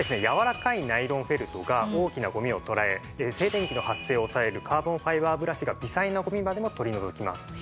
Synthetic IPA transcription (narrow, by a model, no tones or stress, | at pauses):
desɨne̞jaβaɾakainaiɾõ̞ɰ̃ɸe̞ɾɯ̟t̪o̞ɡao̞ːkʲinaɡo̞mʲio̞t̪o̞ɾae̞ | se̞ːt̪ẽ̞ŋkʲino̞hasːe̞ːo̞sae̞ɾɯ̟kʰaːbõ̞ɰ̃ɸaiβaːbɯ̟ɾaɕiɡabʲisainaɡo̞mʲimad̪e̞mo̞t̪o̞ɾʲino̞zokʲima̰sɨ̥